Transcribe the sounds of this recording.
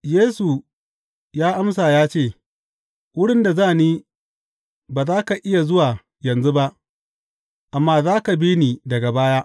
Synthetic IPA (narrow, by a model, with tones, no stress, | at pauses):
jeː˦su˨ | jaː˦ʔa˦msaː˨jaː˦t͡ʃeː˦˨ | wʊ˦ɽɪ˦nda˨zaː˦˨niː˦ | baː˨zaː˦ka˨ʔɪ˦ja˨zʊ˦waː˨ | jɐ˨nzu˦ba˦ʔ | ʔa˨mːaː˦zaː˦ka˨biː˦niː˨dɐ˨ɡa˨baː˦jaː˦ʔ